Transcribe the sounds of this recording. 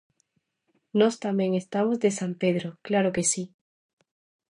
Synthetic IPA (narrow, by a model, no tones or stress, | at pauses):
nost̪amje̞ŋe̞st̪amozðe̞sampe̞ðɾoklaɾoke̞si